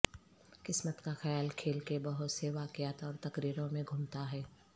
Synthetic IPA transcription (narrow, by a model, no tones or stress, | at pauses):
kɪsmət̪kaxɐjaːlkʰeːlkebɐɦʊt̪seʋaːkjaːt̪ɔːɾt̪ɐkɾiːɾõmẽɡʱʊmt̪aɦɛː